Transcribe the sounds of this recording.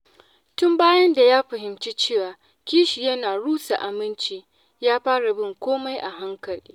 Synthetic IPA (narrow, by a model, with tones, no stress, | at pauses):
tʊ˦mbaː˦jɐ˦nda˨jaː˦ɸɐ˨ɦɪ˨mt͡ʃi˦t͡ʃeː˦˨waː˨ | kʲiː˦ʃi˨jɐ˦naː˨ɽuː˦sa˨ʔa˨mɪ˦nt͡ʃiː˦ | jaː˦ɸaː˦ɽa˨bɪ˦ŋkʷoː˦ma˦jʔa˨ɦa˦ŋkɐ˨lḭː˦